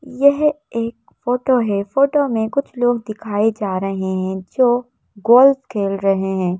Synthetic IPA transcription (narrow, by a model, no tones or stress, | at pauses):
jɛɦ | eːk̚ | foːʈoɦɛfoːʈomẽkʊt͡ʃʰloːɡ̚d̪ɪkʰaːed͡ʒaːɾɐɦeɦɛ̃d͡ʒoː | ɡoːlfkʰeːlɾɐɦeɦɛ̃ː